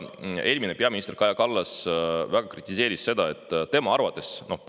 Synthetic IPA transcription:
e̞ːlʲmine̞pe̞ɑminist̪eɾkɑjɑkɑlːɑsvæɡ̥ɑkrit̪ʲːˑise̞ːɾisse̞d̪̥ɑe̞t̪ːˑt̪e̞mɑɑrvɑt̪ˑːe̞sno̞p

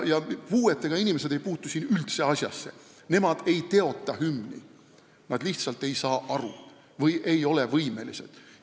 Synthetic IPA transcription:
jɑpuːet̪ːˑe̞ɡ̥ɑinʲime̞se̞d̪e̞jpuːt̪ːˑusiːnylt̪seɑsʲjɑ̰sːe̞̰ | ne̞mɑd̪̥e̞jt̪e̞o̞t̪ːˑɑɦymnḭ | nɑd̪̥liht̪sɑlt̪e̞jsɑːʔɑɾu | vɤjʔe̞jo̞le̞vɤjme̞lise̞d̪̥

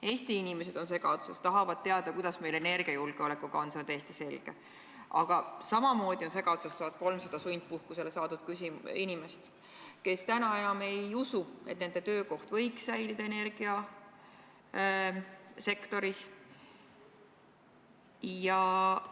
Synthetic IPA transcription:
e̞ːst̪iinime̞se̞d̪̥o̞nse̞ɡɑd̪̥usest̪ɑɦɑvɑd̪̚t̪ːe̞ɑd̪̥ɑkujd̪̥ɑsme̞jle̞ne̞rɡ̥iɑjulɡ̥eo̞le̞kːˑuɡɑonsent̪eːst̪ise̞lɡ̥e̞̰ | ʔɑ̰ɡ̥ɑsɑmɑmo̞ːd̪̥io̞nse̞ɡɑd̪̥usest̪oɑt̪̚ko̞lmsɑd̪̥ɑsujnt̪̚puhkuse̞le̞sɑːt̪ud̪̥̚kysiminime̞st̪ | ke̞st̪ænɑe̞nɑme̞jusue̞t̪ne̞nd̪e̞t̪ø̞ːko̞ht̪vɤ̞jksæjlid̪ɑe̞ne̞rɡ̥iɑ | se̞kt̪o̞ɾis | jɑ

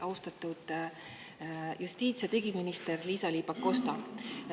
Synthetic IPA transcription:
ɑwst̪ɑt̪ːˑud̪̥ | just̪iːt̪set̪eɡiminist̪e̞rliːsɑliːbɑkːo̞st̪ɑ

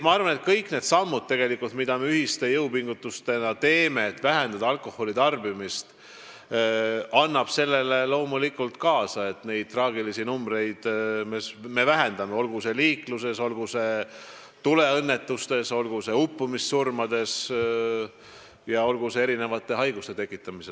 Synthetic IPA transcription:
mɑɑrvɑne̞t̪̚kɤjkˑne̞d̪sɑmːud̪̥̚t̪e̞ɡe̞likːult̪mid̪ɑme̞yhist̪e̞jɤwpiŋɡ̥ut̪ːˑust̪e̞nɑt̪e̞ːme̞ːt̪ːˑvæɦe̞nd̪ɑd̪̥ɑɑlkˑo̞ho̞lit̪ɑrbimist̪ | ɑnːɑb̥se̞lːe̞le̞lo̞ːmulikːult̪kɑːsɑe̞t̪ne̞jd̪̚t̪rɑːɡilisinumbre̞jd̪̥mesme̞væɦend̪̥ɑmeo̞lɡuse̞liːkluse̞so̞lɡuse̞ | t̪ule̞ɤnːe̞t̪ːust̪e̞so̞lɡ̥use̞upːumisːurmɑd̪e̞s | jɑo̞lɡusee̞ɾine̞vɑt̪ːˑe̞ɦɑjɡust̪e̞t̪e̞kˑːit̪ːˑɑmise

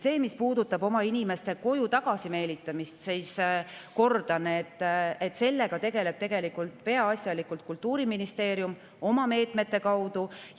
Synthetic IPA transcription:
se̞ːmispuːd̪ut̪ːˑɑbo̞mɑinime̞st̪e̞ko̞jut̪ɑɡ̥ɑsime̞ːlit̪ːˑɑmist̪siːsko̞rd̪̥ɑneet̪ːˑet̪ːse̞lːe̞ɡ̥ɑt̪e̞ɡ̥e̞le̞b̥̚t̪e̞ɡ̥e̞likˑult̪pe̞ɑɑsʲjɑlikult̪̚kult̪ˑːuːɾiminist̪e̞ːɾjum | o̞mɑme̞ːt̪ˑme̞t̪ːe̞kɑwd̪̥u

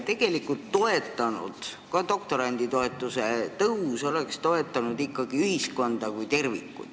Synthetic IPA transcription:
t̪e̞ɡ̥e̞likːˑult̪ːo̞e̞t̪ːˑɑnṵd̪̥kɑd̪o̞k̚t̪o̞ɾɑnʲd̪̥it̪o̞e̞t̪ːˑuse̞t̪ɤuso̞le̞kst̪o̞e̞t̪ˑːɑnud̪ikːˑɑɡiyhisko̞nd̪̥ɑkujt̪e̞rvḭkːˑṵ̥

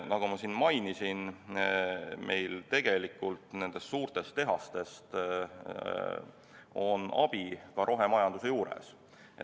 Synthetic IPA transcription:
nɑɡ̥umɑsinmɑjnisin | me̞jlt̪e̞ɡ̥e̞likːˑult̪ˑne̞nd̪e̞st̪suːrt̪e̞st̪e̞ɦɑst̪e̞st̪ | o̞nʔɑ̰b̥ikɑɾʔo̞ɦe̞mɑjɑnd̪use̞juːɾe̞̰s | ḛ

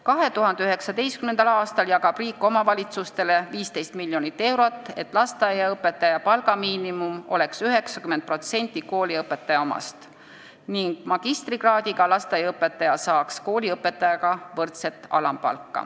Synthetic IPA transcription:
kɑɦe̞t̪uɦɑnd̪eyɦe̞ksɑd̪e̞jst̪kymnend̪̥ɑlɑːst̪ɑljɑɡɑb̥riːkːˑo̞mɑvɑlʲit̪sust̪e̞le̞viːst̪e̞jst̪miljo̞nit̪ːe̞wɾo̞t̪ːˑe̞̰t̪ːˑlɑst̪ɑjɑɤpːe̞t̪ːˑɑjɑpɑlɡɑmiːnimumo̞̰le̞ksyɦe̞ksɑ̥kyment̪̚pro̞t̪se̞nʲt̪ʲːˑiko̞ːlʲiɤpːˑe̞t̪ːɑjɑomɑ̰st̪ | niŋɡ̥mɑɡ̥ist̪riɡrɑːd̪̥ʲiɡɑlɑst̪ɑjɑɤpːe̞t̪ːˑɑjɑsɑːksko̞ːlʲiɤpːˑe̞t̪ːˑɑjɑɡ̥ɑvɤrt̪se̞t̪ːˑɑ̰lɑmpɑ̰lkːɑ̰

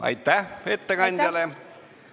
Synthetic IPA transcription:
ɑ̰jt̪ːæhet̪ːeɡ̥ɑnʲd̥̪ʲɑle

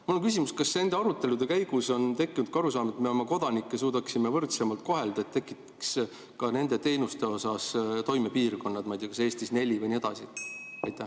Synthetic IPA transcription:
munːukysʲimuskɑsːe̞nd̪̥e̞ɑɾut̪ːˑe̞lud̪̥e̞kæjɡ̥uso̞nt̪e̞kːˑinud̪̚kɑɾusɑːmet̪meomeko̞d̪̥ɑnikːe̞s̬uːd̪ɑksime̞vɤrt̪se̞mɑlt̪̚ko̞ɦe̞ld̪ɑet̪ːe̞kːˑit̪ːe̥ks | kɑne̞nd̪e̞t̪e̞jnust̪e̞o̞sɑst̪o̞jme̞piːrko̞nːɑd̪̥mɑjd̪̥ʲiɑkɑse̞ːst̪isne̞lʲivɯjnie̞d̪̥ɑsiɑjt̪ːæ

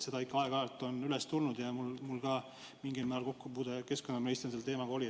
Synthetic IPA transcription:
se̞d̪ɑikːˑɑɑeɡ̥ɑɑt̪ːˑo̞nylest̪ulnud̪jɑmulmulɡ̥ɑ | miŋɡ̥imːæːɾlko̞kːupuːd̪eke̞sko̞nːɑminist̪enselt̪e̞ːmɑɡ̥ɑo̞lʲi

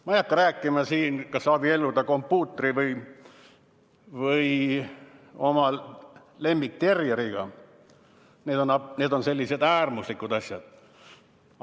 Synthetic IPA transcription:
mɑijɑkːɑɾæːkːˑimɑsiːnkɑsːɑːb̥ie̞lːud̪ɑko̞mpːˑuːt̪ːˑeɾivɯj | vɯj | o̞mɑ | le̞mːik̚t̪e̞rjeɾiɡ̥ɑ | neːd̪o̞nɑne̞ːd̪o̞nse̞lʲːise̞d̪æːrmuslikːˑud̪ɑsjɑd̪̥

